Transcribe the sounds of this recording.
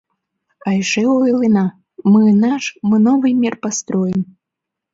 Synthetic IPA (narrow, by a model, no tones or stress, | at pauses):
ajʂɛuilˠɨna | mɨnaʂmɨnɔvɨjmʲirpast̪ɾɔjɪm